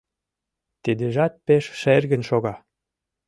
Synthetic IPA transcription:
t̪id̪eʒɑt̪̚peʃʃerɣə̆nʃoɣɑ

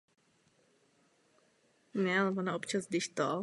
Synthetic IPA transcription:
nɛalɛvonaʔopt͡ʃazɡdɪʃt̪o

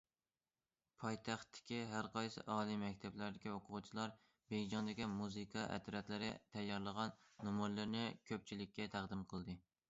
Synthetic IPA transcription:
pʰɑjt̪ʰɑχt̪ʰːɪ̥kʲiɦæɾqɑjsɨ̰ʔɑːlˠijmɛkʲt̪ʰɛblæɾd̪ɪkʲioqʰʊʁʊt͡ʃʰilˠɑɾ | beɡʲd͡ʒɑnd̪ɪkʲimuzɨkʰɑʔɛ̰t̪ɾɛt̪lɪɾɪ̰t̪ʰɛjːɑɾlˠəʁɑnːomojlɪɾnɪkʲʰøp̚t͡ʃʰilɪkʲːɛt̪ʰæʁd̪ɪmqʰəlˠd̪ɨ

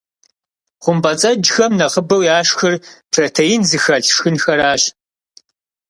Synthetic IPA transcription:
χʷʊmbʼɐt͡sʼɐd͡ʒxɐmnɐχəbɐwjaːʂxɨrpʰrɐtʰejɪnzɨxɐɬʂxɨnxɐɾaːɕ

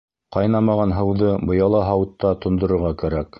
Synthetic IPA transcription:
qɑjnɑmɑʁɑnɦɤ̆wðɤbɤ̆jɑlˠɑɦɑwɤ̆t̪ːɑt̪ŏnd̪ŏɾŏɾʁɑkæɾæk

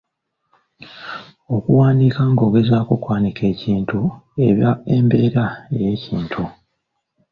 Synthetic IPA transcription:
o̞kuwaːndiːkaŋɡo̞ɡe̞zaːkokwaːnikʰe̞ːciːntue̞̰βjae̞mbe̞ːɾae̞je̞ːcḭːntʰu

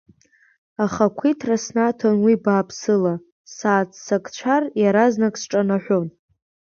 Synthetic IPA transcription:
aχakʷʰitʰrasnatʰonwibaːpʰsɨla | saːt͡sʰsakʼt͡ʃʷʰarjaɾaznakʼsʈ͡ʂʼanaħʷᶣon

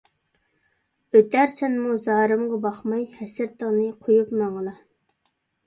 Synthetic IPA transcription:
øt̪æɾsɛnmuzɑːɾɨmʁɑbɑχmɑjhɛsɪɾt̪ʰəʁnɨqʰojupmɑɴəlˠɑ

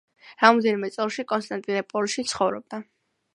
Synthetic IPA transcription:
ɾamɔd̪ɛnimɛt̪sʼɛlˠʃikʼɔnst̪ʼant̪ʼinɛpʼɔlʃit̪sʰχɔvɾɔ̰b̚d̪a

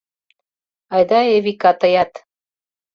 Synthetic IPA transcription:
ɑjd̪ɑeβikɑt̪ɤ̆jɑt̪

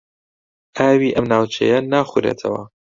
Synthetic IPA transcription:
ʔaːwiːʔɐmnaːwt͡ʃʰḛjɐnaːxuɾḛːt̪ʰɐwɐ̰

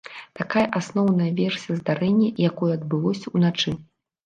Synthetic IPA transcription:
t̪akajɐʔasnɔwnɐjɐvʲɛrsʲijɐzd̪aɾɛnʲːɛjakɔjɛɐd̪̚bɨlˠɔsʲɐunat͡ʂɨ

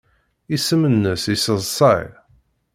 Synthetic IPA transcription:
isəmənːəsisəzˤsˤɑj

